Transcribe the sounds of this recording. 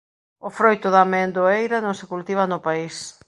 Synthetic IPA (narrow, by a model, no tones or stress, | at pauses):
ʊfɾojt̪ʊðamɛnd̪oejɾanõŋsɪkult̪iβ̞ɐnʊpais